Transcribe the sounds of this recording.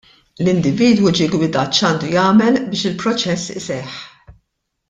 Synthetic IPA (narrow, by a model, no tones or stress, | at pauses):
lɪnd̪ɪviːd̪wud͡ʒiːɡwɪd̪ɐtːt͡ʃɐːnd̪ujɐːmɛlbɪːʃɪlpɾɔt͡ʃɛsːɪ̰sɛħ